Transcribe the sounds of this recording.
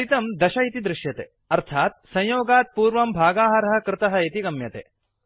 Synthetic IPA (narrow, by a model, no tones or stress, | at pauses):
it̪ɐmd̪ɐʃɐit̪id̪ɾɪʃjɐt̪ḛː | ɐɾt̪ʰaːt̪̚sɐ̃j̃joːɡaːt̪̚puːɾʋɐmbʱaːɡaːɦɐɾɐɦɐ̆kɾɪt̪ɐɦɐ̆et̪iɡɐmjɐt̪ḛː